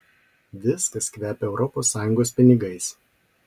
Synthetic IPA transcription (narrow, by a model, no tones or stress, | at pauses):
ʋʲɪskɐskʋʲæːpʲɛɛʊɾʔɔpoːsːɑːjʊŋɡoːspʲɪnʲɪɡɐɪs